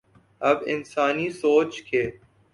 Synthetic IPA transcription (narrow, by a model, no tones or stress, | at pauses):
ɐbɪ̰nsaːnisoːt͡ʃkʰeː